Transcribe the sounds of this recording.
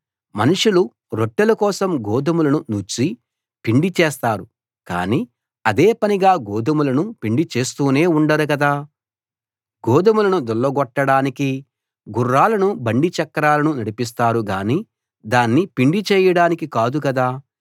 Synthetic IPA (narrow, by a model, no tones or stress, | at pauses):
mɐnuʂulu | ɾoʈːɛlɐkɔːsɐmɡɔːd̪ɐmulɐnunut͡ʃi | piɳɖit͡ʃɛːst̪aːɾu | ka̰ːniː | ɐd̪eːpɐniɡaːɡɔːd̪ɐmulɐnupiɳɖit͡ʃe̞ːst̪uːne̞ːuɳɖɐɾukɐd̪aː | ɡɔːd̪ɐmulɐnud̪ɔlːɐɡɔʈːɐɽaːniki | ɡurːaːlɐnubɐɳɖit͡ʃɐkːɐɾaːlɐnunɐɽipis̬t̪aːɾuɡaːniː | d̪aːnːipiɳɖit͡ʃɛːjɐɽaːnikikaːd̪ukɐd̪aː